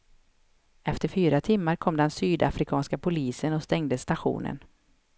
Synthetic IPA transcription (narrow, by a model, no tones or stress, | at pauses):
ɛft̪əɾfyːɾat̪ʰɪmːaɾkʰɔmd̪ɛnsyːd̪a̰fɾɪkʰɑːnskapʰʊliːsənɔst̪ɛŋd̪əsːt̪aɧṵːnə̰n